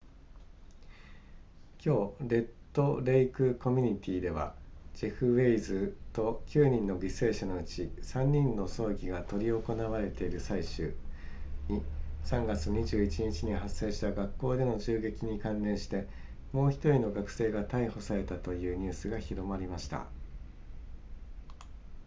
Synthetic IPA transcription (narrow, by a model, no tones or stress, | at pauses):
kʲo̞ːɾe̞t̪ːo̞ɾe̞ikɯ̟ko̞mʲiɲ̟it̪ʲiːd̪e̞β̞a̰d͡ʑiɸɯ̟βe̞izɨt̪o̞kʲɨːɲ̟ĩnːo̞ɡʲise̞ːɕano̞ɯ̟t͡ɕisãɲ̟ːĩnːo̞so̞ːɡʲiɡat̪o̞ɾʲio̞ko̞naβaɾe̞t̪e̞iɾɯ̟saiɕɨː | ɲ̟isãŋɡat͡sɨɲ̟iʑɨːit͡ɕiɲ̟it͡ɕiɲ̟iɦasːe̞ːɕi̥t̪aɡakːo̞ːd̪e̞no̞ʑɨːɡe̞kʲiɲ̟ikãnɾẽ̞ɰ̃ɕi̥t̪e̞ | mo̞ːçi̥t̪o̞ɾʲino̞ɡakɯ̟̥se̞ːɡat̪aiho̞saɾe̞t̪at̪o̞jɯ̟ːɲ̟ɨːsɨɡaçiɾo̞maɾʲimaɕi̥t̪a̰